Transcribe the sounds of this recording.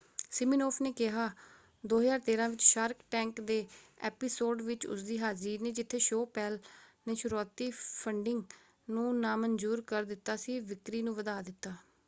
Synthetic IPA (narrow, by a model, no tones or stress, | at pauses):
sɪmiːnoːpʰneːkɪɦaː | d̪oːɦzaːɾt̪eːɾãːʋɪt͡ʃʃaːɾkʈɛ̃ːŋkd̪eːɛ̰ːpɪsoːɖʋɪt͡ʃʊ̰sd̪iːɦaːziːɾneːd͡ʒɪt̪ʰːeːʃoːpɛːlneːʃʊɾuaːt̪iːpʰəɳɖɪŋɡ | nũːnãːmənd͡ʒuːɾkəɾd̪ɪt̪ːaːsiːʋɪkɾiːnũːʋəd̪aːd̪ɪt̪ːaː